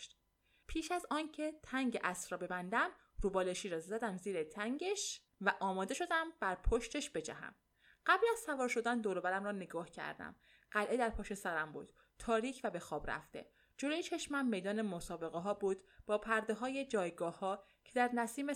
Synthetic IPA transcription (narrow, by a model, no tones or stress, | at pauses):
ʃt̪ | pʰiːʃæzɒːncʰe̞t̪ʰæŋɟeʔæsɾɒːbe̞bænd̪æm | ɾuːbɒːleʃiːɾɒːzæd̪æmziːɾet̪ʰæŋɟeʃ | væʔɒːmɒːd̪e̞ʃo̞d̪æmb̥æɾpʰoʃt̪ʰe̞ʃb̥e̞d͡ʒæ̰ɦæ̰m | ɢ̥æbliæz̥sævɒːɾʃo̞d̪ænd̪oːɾobæɾæmɾɒːneɡɒːhcʰæ̰ɾd̪æ̰m | ɢælʔe̞d̪æɾpʰɒːʃe̞sæɾæmbṵːd̪̥ | t̪ʰːɒːɾiːcʰvæbe̞xɒːbɾæ̰ft̪e̞̰ | d͡ʒo̞loːjet͡ʃʰeʃmæmmːejd̪ɒːnemosɒːbe̞ɣeɦɒːbuːd̪̥b̥ɒːpʰæɾd̪eɦɒːje̞d͡ʒɒːjɡɒːhɒː | cʰe̞d̪æɾnæsiːme